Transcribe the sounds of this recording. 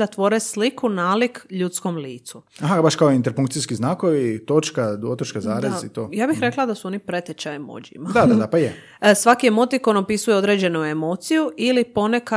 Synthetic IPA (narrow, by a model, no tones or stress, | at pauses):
at̪ʋo̞ɾeslikʰunalikʎut̪sko̞mliːt̪suaɦabaʃkaoint̪eɾpuŋkt̪sijskiznaːkoʋit̪ot͡ʃkad̪ot̪ot͡ʃkazaːɾazit̪oːjaːbixɾe̞klˠad̪asuo̞nipɾe̞t̪et͡ɕajimo̰d͡ʑḭmad̪ad̪ad̪apaje | sʋakiemo̞t̪ikonopisujeo̞d̪ɾe̞ːd͡ʑe̞nuemo̞t̪sijuilipo̞neka